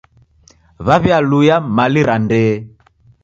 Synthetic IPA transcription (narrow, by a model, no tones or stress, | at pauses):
βaβjalujamaliɾandɛː